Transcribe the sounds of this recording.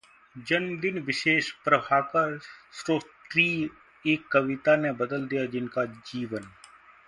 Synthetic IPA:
d͡ʒənmd̪ɪnʋɪʃeːʃpɾəbʱaːkasɾoːt̪ɾiː | eːkːəʋɪt̪anebəd̪əld̪ijad͡ʒɪnkad͡ʒiːʋən

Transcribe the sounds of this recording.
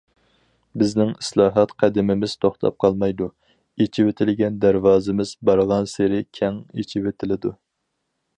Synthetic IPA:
bɪznɪŋislˠɑːɦɑt̪qʰæd̪ɪmɪmɪz̥t̪ʰoχt̪ʰɑ̰p̚qʰɑlˠmɑjd̪u | et͡ʃʰiwet̪ʰɪlɡʲɛnd̪æɾwɑːzɪmɪz̥bɑɾʁɑnseɾɪkʲʰɛŋet͡ʃʰiwet̪ʰɪlɪd̪u

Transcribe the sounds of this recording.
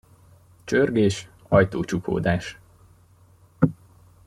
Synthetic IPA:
t͡ʃørɡeːʃ | ɒjt̪oːt͡ʃukʰo̰ːd̪aːʃ

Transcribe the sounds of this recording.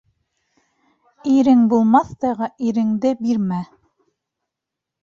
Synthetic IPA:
iɾɘŋbulˠmɑθt̪ɑʁɤʔiɾɘ̆ŋd̪ɘbiɾmæ

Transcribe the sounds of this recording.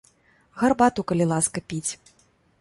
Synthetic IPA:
ɣɐrbat̪ukɐlʲilˠaskɐpʲit͡sʲ

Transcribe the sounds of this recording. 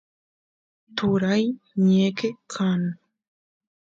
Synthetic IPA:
t̪uɾajɲekekʰan

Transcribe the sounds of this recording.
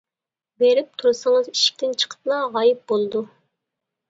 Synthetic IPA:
beɾɪp̚t̪ʰuɾusəŋəziʃi̥k̚ʲt̪ʰɪnt͡ʃʰə̥qʰə̥plˠɑʁɑjip̚bolˠd̪u

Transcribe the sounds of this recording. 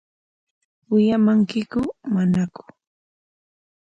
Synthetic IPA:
wɪjamaŋkɪkʊmanakʊ̥

